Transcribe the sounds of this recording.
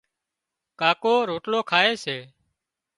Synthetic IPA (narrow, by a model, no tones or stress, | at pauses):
kaːkoːɾoːʈloːkʰaːeːseː